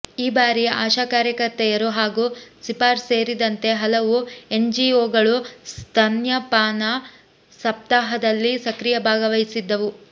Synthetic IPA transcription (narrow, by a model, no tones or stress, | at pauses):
iːbaːɾia̰ːʃaːkaːɾjɐkɐɾt̪ːɛjɐɾuɦaːɡuːsipaːɾse̞ːɾid̪ɐnt̪e̞ɦɐlɐʋue̞nd͡ʒioːɡɐɭust̪ʰɐnjɐpaːnɐ | sɐp̚t̪aːɦɐd̪ɐlːisɐkɾijɐbʱaːɡɐʋɐjsid̪ːɐʋu